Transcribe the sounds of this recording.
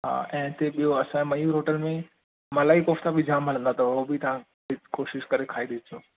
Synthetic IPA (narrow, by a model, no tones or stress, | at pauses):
ɦa̰ːɛ̃ːt̪eɓijoɐsãmɐjuɾɦoːʈəlmẽ | mɐlaːikoːft̪ʰabʱid͡ʑaːmɦɐlə̃nd̪at̪ɐʊɦobit̪ɐʋ̤ã | ɪkoːʃɪʃkɐɾekʰaːiɗeːt̪ʰioː